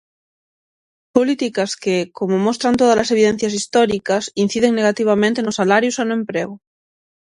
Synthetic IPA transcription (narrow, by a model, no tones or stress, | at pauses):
polit̪ikaskekomomost̪ɾant̪oð̞azlase̞β̞iðen̟θjasist̪oɾikasin̟θiðeŋne̞ɣ̞at̪iβ̞amẽnt̪enosalaɾjusanoẽmpɾeɣ̞o